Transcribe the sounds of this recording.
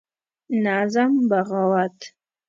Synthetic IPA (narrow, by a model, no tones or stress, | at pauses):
naːzambaʁawatʰ